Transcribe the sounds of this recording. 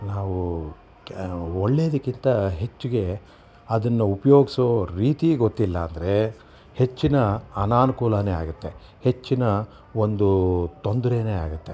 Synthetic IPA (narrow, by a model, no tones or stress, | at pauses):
naːʋu | oɭːeːɐd̪ɐkːint̪ɐɦe̞t͡ʃːuɡe̞ | ɐd̪ɐnːɐupɐjo̞ːɡisoːɾiːt̪iɡot̪ːilːɐːnd̪ɐɾe̞ | he̞t͡ʃːinɐɐnaːnukuːlɐnea̰ːɡut̪ːe̞ | he̞t͡ʃːinɐ | o̞nd̪ut̪o̞nd̪ɐɾeːneːaːɡut̪ːe̞